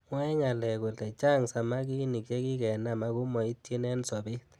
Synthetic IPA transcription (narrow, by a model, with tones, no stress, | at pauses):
ŋwɛ˦ŋa˨lɛ˨ɡɔ˨lɛ˨t͡ʃa˦˨ŋsa˨ma˦k̬i˦ni˨kɛ˦kɪ˦kɛ˨na˦ma˦kʊ˦mɔ˨i˦te˦nɛ˦nsɔ˨bɪ˦t̪